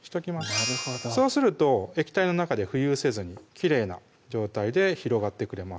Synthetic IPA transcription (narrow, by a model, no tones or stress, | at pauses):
çi̥t̪o̞kʲimasso̞ːsɨɾɯ̟t̪o̞e̞kʲi̥t̪aino̞nakad̪e̞ɸɯ̟jɯːse̞zɨɲ̟ikʲiɾe̞ːna̰ | d͡ʑo̞ːt̪aid̪e̞çiɾo̞ɡat̪ːe̞kɯ̟ɾe̞mas